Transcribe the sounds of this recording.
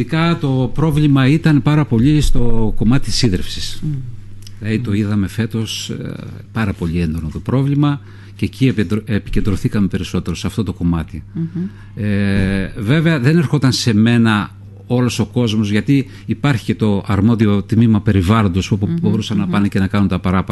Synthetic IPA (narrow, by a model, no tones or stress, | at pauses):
t̪ikɐt̪o̞pɾo̞vlimɐit̪ɐnpɐɾɐpo̞ʎist̪o̞ko̞mɐt̪i̥t̪i̥siðɾefsi̥s | ilɐðit̪oiðɐme̞fe̞t̪o̞s | pɐɾɐpo̞ʎie̞nd̪o̞not̪o̞pɾo̞vlimɐ | ce̞cieepi̥ce̞nd̪ɾoθikɐmepe̞ɾiso̞t̪e̞ɾo̞sɐft̪o̞t̪o̞ko̞mɐt̪i | eve̞ve̞ɐðe̞neɾxo̞t̪ɐnse̞me̞nɐ | o̞lo̞so̞ko̞zmo̞zʝɐt̪iː | pɐɾçi̥cet̪o̞ʔɐɾmo̞ðio̞t̪mimɐpe̞ɾivɐlond̪osoubo̞ɾusɐnːɐpɐnece̞nɐkɐnunt̪ɐpɐɾɐpɐ